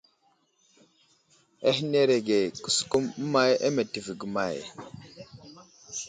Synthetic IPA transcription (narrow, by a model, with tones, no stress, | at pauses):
e˦hi˦ne˦ɾe˨ɡe˨ku̥˨su̥˦˨ku˦m̩˦ma˦jḛ˦me˨ti˨vi˨ɡi˨ma˨j